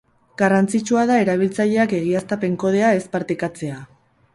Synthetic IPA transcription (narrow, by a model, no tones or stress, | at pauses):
ɡ̥arant͡sit͡ʃuað̞ae̞ɾaβ̞ilt͡saʎe̞ake̞ɣ̞iast̪ape̞ŋko̞ð̞e̞ae̞spaɾt̪ekat͡se̞a